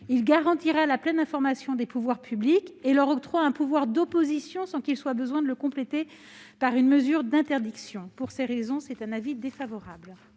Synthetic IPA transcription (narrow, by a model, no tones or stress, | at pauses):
ilɡaʁɑ̃t̪iʁalaplɛnɛ̃fɔʁmasjɔ̃d̪epuvwaʁpʰyblikeləʁɔt̪χwaɛ̃puvwaʁd̪ɔpozisjɔ̃sɑ̃kilswabəzwɛ̃d̪ələkɔ̃plet̪e | paʁynməzyʁd̪ɛ̃t̪ɛʁd̪iksjɔ̃puʁseʁezɔ̃sɛt̪ɛ̃navid̪efavɔʁabl